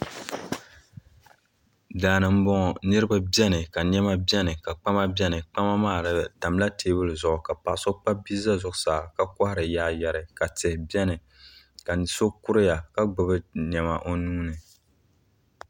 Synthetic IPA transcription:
daː˨nɨ˨m̩˦bɔ˦ŋɔ˨nɨ˦ɾɨ˦ba˦bɛ˦nɨ˨ka˨ɲɛ˦ma˦bɛ˦nɨ˨ka˨k͡pa˦ma˦bɛ˦nɨ˨k͡pa˦ma˦maː˦˨ɾta˨mla˦tʰeː˦bɨ˦lɨ˨zʊ˨ʔʊ˨ka˨pa˨ʔso˦k͡pa˦bi˦za˦zʊ˨ʔʊ˨saː˨ka˨ka˦hɾɨ˨jaː˦jɛ˨ɾɨ˨ka˨tɛ˨hbɛ˦nɨ˨ | ka˨so˦ku˦ɾɨ˦ja˨ka˨ɡ͡bɨ˨bɨ˦ɲɛ˨ma˨ʔo˦nuː˦nɨ˨

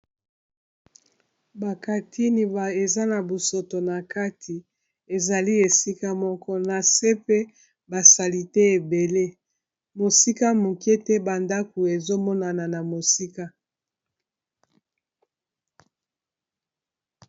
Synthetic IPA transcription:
ba˨ka˨tʰi˦ni˨ba˨e˨za˦na˨bo˨so˨to˨na˨ka˦tʰi˨ | e˨za˨li˦e˨si˦ka˦mɔ˦kɔ˦na˨se˦pe˦ | ba˨sa˨li˨te˦e˨be˨le˦ | mo˨si˦ka˦mo˨ke˦te˦ba˨nda˦ku˨e˨zo˦mɔ˦na˨na˨na˨mo˨si˦ka˦

